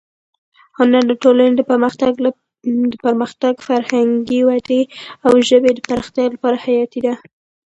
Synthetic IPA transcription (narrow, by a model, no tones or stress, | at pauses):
hʊnaɾd̪əʈolaned̪əpəɾməxt̪aɡ | d̪əpəɾməxt̪aɡfaɾhaŋɡiwat̪eawʒəbed̪əpaɾɑxt̪jɑlapɑɾahajɑt̪ed̪a